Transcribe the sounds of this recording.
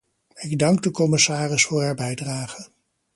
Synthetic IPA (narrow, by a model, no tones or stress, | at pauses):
ɪɡdɑŋɡ̚dəkɔmɪsaːrɪsfʊːɹɦaːɹbɛjdraːχə